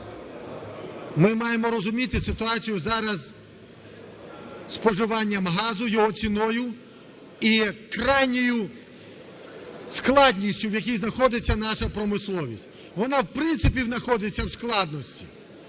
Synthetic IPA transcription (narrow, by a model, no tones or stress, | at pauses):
mɪmɑjemɔɾɔzʊmʲit̪ɪsɪt̪ʊɑt͡sʲijʊzɑɾɐz | spɔʒɪʋɑnʲːɐmɦɑzʊjɔɦɔt͡sʲinɔjʊ | ikɾɑjnʲɔjʊ | sklˠɑdʲnʲisʲtʲʊwjɐkʲijznɐxɔd̪ɪt͡sʲːɐnɑʃɐpɾɔmɪslˠɔʋʲisʲtʲ | ʋɔnɑwpɾɪnt̪sɪpʲiwnɐxɔd̪ɪt͡sʲːɐwsklˠɑd̪nɔsʲtʲi̥̰